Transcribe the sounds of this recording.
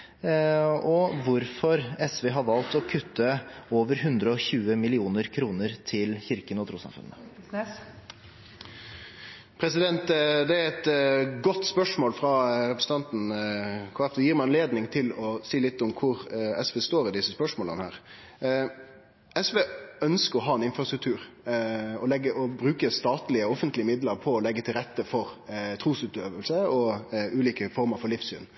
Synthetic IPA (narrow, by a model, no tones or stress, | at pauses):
ɔʋʊɾfɔɾɛsʋeːɦɑɾʋɑlt̪ɔkʰʉt̪ːəoːʋəɾɦʉnd̪ɾəɔçʉːəmɪlɪuːnəɾkʰɾuːnəɾt̪ʰɪlçɪɾkənɔt̪ʰɾuːsɑ̰mfʉ̰nːə̰ | pʰɾɛsɪd̪ɛnt̪d̪ɛæɾɛt̪ɡɔt̪ːspœʂmoːlfɾɑɾɛpɾəsn̩t̪ʰɑnt̪n̩kʰoːɛfd̪ɛjiːɾmɛɪɑnleːd̪nɪŋt̪ʰɪlɔsiːlɪt̪ːʊmkʰʊɾɛsʋeːst̪oːɾɪd̪ɪsəspœʂmoːlə̰nhæːɾ | ɛsʋeːœnskəɾɔɦɑːɛnɪnfɾɑst̪ɾʉkt̪ʰʉːɾ | ɔlɛɡːəʔɔbɾʉːkəst̪ɑːt̪lɪəɔfənt̪lɪəmɪd̪ləɾpʰɔɔlɛɡːət̪ʰɪlɾɛt̪ːəfɔɾt̪ʰɾuːsʉːt̪øːʋəlsəɔʉːliːkəfɔɾməɾfɔɾlɪfsy̰ːn